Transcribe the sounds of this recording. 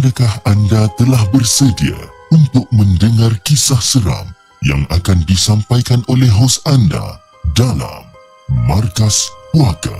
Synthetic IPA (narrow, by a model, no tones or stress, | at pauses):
adakahandat̪əlahbərsədia̰unt̪ʊk̚məndəŋarkisahsəɾa̰m | ja̰ŋakandisampajkanolɛɦɦosanda̰ | dala̰mː | arkaspuaka̰